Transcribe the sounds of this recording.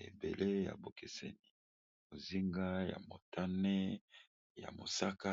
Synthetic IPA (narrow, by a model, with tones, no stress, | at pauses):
ḛ˨be˨lʔe˦ja̰˨bo˨ke˨sɛ̰˦ni˨ | mo˨zi˦ŋɡa˦ja̰˨mo˨tʰa˦ne˦ | ja̰˨mo˨sa˦ka˦